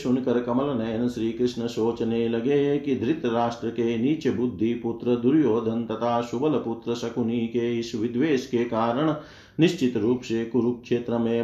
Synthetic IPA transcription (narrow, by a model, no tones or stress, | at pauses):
ʃunkɐɾɐkɐmɐlɐnɐjɐnɐsɾiːkɾɪʂnɐsoːt͡ʃɐneːlɐɡeːkid̪ʱɾɪt̪ɐɾaːʂʈɾɐkeːniːt͡ʃɐbud̪ʱːiput̪ɾɐd̪uɾjoːd̪ʱɐnt̪ɐt̪ʰaːʃubɐlɐput̪ɾɐsɐkuniːkeːisʋid̪ʋeːskeːkaːɾɐɳ̃ | niʃt͡ʃit̪ɾuːpʃeːkuɾukʂeːt̪ɾɐmẽː